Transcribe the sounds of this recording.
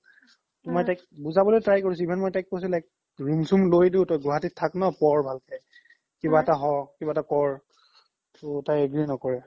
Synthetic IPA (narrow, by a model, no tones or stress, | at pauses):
tʊmajtajk̚buzabɔlojtɹajkoɹisibʱɛnmojtajk̚pos̬ulajk̚ | ɹumsumlojdeʊtɔjɡɔɦatitʰaknɔpɔɹbʱalkʰɛj | kibaɛtaɦɔkibaɛtakɔɹ | tʊtajeɡɹinɔkɔɹɛ